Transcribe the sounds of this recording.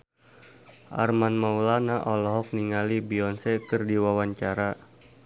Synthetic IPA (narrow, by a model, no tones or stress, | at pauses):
ʔa̰rmanmaulanaʔɔlɔɦɔk̚niŋalibiɔnsɛkɨrdiwawaɲt͡ʃaɾa